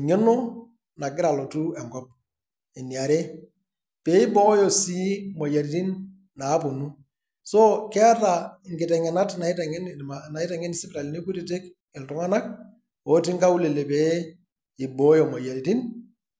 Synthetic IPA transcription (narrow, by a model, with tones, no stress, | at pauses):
ɲe˦nɔ˦ | na˨ɡɪ˦ɾa˨lɔ˨tu˦ɛ˨ŋɡɔ˦p̚ | ɛ˨ni˨a˨ɾe˦ | pɛː˨˦ɪ˦bɔ˦jɔ˨si˦mɔ˨ja˨ɾi˨˦ti˦nː | a˨˦pʊ˨nu˦ | sɔ˦kɛ˦a˦ta˨ŋɡɪ˨tɛ˨ŋɛ˨na˦tna˨ɪ˦tɛ˨ŋɛ˦n˨mana˨ɪ˦tɛ˨ŋɛ˦nɪ˨sɪ˦pɾa˨li˨ne˦ku˦ti˨te˦k | ɪ˨ltʊ˨˦ŋa˦na˦k̚ | o˦ti˦ŋka˦u˦le˨le˨pɛ˦ | ɪ˨bɔ˨˦jɔ˨mɔ˨ja˨ɾi˨ti˦n